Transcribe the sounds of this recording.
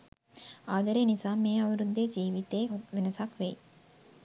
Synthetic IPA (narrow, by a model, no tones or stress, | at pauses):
aːd̪ɐɾenisaːmeːɐʋiɾud̪ːeːd͡ʒiːʋit̪eːɦot̪ʋenɐsɐkʋej